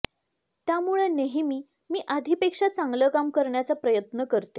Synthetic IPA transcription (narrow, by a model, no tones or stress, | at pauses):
t̪jamuɭeneɦimiː | miːʔad̪ʱipekʂat͡saŋɡləkamkəɾɳjat͡sapɾəjət̪nəkəɾt̪e